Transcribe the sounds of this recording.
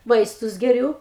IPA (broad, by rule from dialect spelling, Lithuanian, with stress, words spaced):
ˈʋɐɪstʊs ɡʲɛˈrʲuː